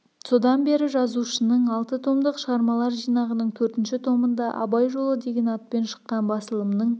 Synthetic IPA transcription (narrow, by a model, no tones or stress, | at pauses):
so̞d̪ɑnbe̞ɾɪʒɑzuʃənəɴɑlˠt̪ət̪ʰo̞md̪əqʃəʁɑɾmɑlˠɑɾʒijnɑʁənəɴt̪ʰɵɾt̪ɪnʃɪt̪ʰo̞mənd̪ɑʔɑ̰bɑjʒo̞lˠəd̪e̞ɡʲenɑt̪̚pe̞nʃə̥qːɑnbɑsəlˠəmnəɴ